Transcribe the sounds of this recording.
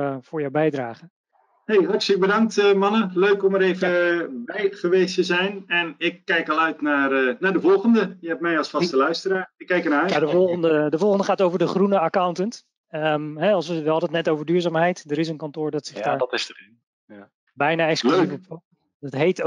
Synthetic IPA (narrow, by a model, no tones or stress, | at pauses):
fʊːɹjawbɛjdraːχə | hejɦɑrtlək̚bədɑŋk̚təmɑnəløɥkɔməɾejvəbɛjχəʋeːstəzɛjnɛnɪkːɛjkɑlˠœɥtnaːrənaːdəvɔlˠχəndəjəɛp̚mɛjɑlˠsfɑstəlœɥstəraːɪkːɛjkənaœnadəvɔlˠəndədəvɔlˠχəndəχaːtowvəɹdəχrunəakawntənt | əmɦɛɑlˠsʋəʋəɑldətnɛtowvəɹdyːɹzaːmɦɛjtdəɾɪs̬ənkɑntʊːɹdɑtsɪχdaːɹdɔtɪsdərɪn | bɛjnaːɛksklif | dɑtɦejt